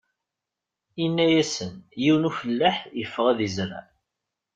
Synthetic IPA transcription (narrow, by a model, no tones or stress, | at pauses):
inːæjæsənjiwnufəlːaħjəfːəʁæðizɾa̰